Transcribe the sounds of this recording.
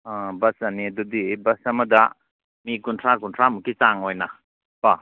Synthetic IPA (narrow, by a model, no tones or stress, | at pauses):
abɐsɐniɐdudibɐsɐmɐda | mikuntʰɾakuntʰɾamukit͡ʃaŋojna | pa